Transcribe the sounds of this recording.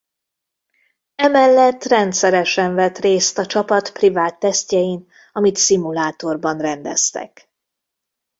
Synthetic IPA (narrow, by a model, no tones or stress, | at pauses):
ɛmɛlːɛt̪ːrɛnt̪sɛɾɛʃɛɱvɛt̪reːst̪ɒt͡ʃɒpɒt̪privaːt̪ːɛst̪cɛjin | ɒmit̪simulaːt̪o̞rbɒnrɛnd̪ɛst̪ɛ̰k